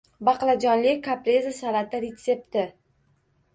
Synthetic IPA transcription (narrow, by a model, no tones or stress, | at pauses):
bɑqlˠad͡ʒɒnlɪkʰapɾezasalat̪ɪɾet̪se̞p̚t̪ɪ